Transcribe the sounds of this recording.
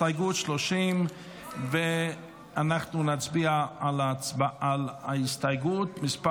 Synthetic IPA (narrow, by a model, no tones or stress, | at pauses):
aɡuːtʃlɔʃim | vɪ | anaχtnuːnat͡sbiːaalat͡sbaalaɪstajɡuːtmɪspa